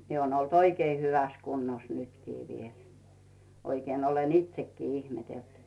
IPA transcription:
miĕ oːn olt oikei hyʋæs kunːos nytkiː ʋiel oikeːn olen itsekːiː ihmetelt

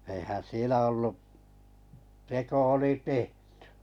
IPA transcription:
eihæn sielæ olːu teko oli tehtẙ

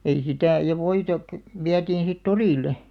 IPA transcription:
ei sitæˑ jɑ ʋoitɑ kø̆ ʋiætiːn̞ sit toriˑlːe

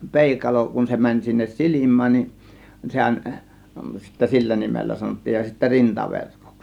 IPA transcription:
peˑikɑlo kun se mænʲ sinːes silimˑæːn nin sehæn sitːæ silːæ nimelːæ sɑnotːiːj jɑ sitːæ rintɑʋerko̥ks

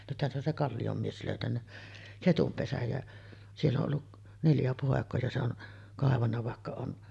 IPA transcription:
nythæn se on se kɑlːijom mies løˑytænːæ ketum pesæj jæ sielː oʔ ʔolːu neljæ poˑekˑoː jɑ se on kɑˑeʋɑnːɑ ʋɑˑekːɑ on

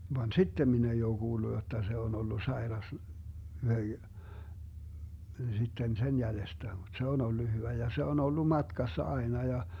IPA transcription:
ʋɑn sitːem min ei oː ɡ̊uːlːu jotːɑ se on olːu sɑerɑs sitːen sen jælestæ mut se on olːu hyʋæ jɑ se on olːu mɑtkɑsːɑ ɑenɑ jɑ

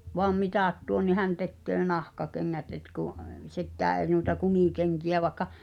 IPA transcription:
ʋoɑm mitɑˑt tuon ni hæn tekːøː nɑhkɑkeŋːæt et kuˑʔ sekːæː eˑi̞ nuitɑ kumiˑkeŋkiæ ʋɑĕkːɑ

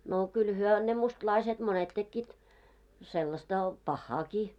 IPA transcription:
no kyl hyø ne mustlɑiset monet tekːiːt selːɑstɑ pɑhːɑːki

